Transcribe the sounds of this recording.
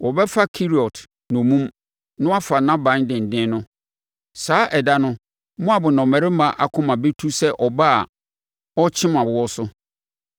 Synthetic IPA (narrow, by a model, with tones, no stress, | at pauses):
wɔ˨bɛ˦fa˦kʰi˦ɾi˨ɔ˨tʰ | nʊ̃˨mũ˦m | nʊ̃˦a˦fa˨nã˦bã˨˦dɪ̃˨n̩˨dɪ̃˦nʊ̃˦ | saː˨˦ʔɛ˨da˦nʊ̃˦ | mʊ̃˦a˨bʊ˨nɔ̃˨mɛ̃˨ɾɪ˦mã˨ʔa˨kʰʊ̃˦mã˨be˦tʰu˦sɛ˦ʔɔ˨ba˦˨ | ɔ˦t͡ɕʰɪ̃˦mã˨bʊ˨wɔ˦sʊ˦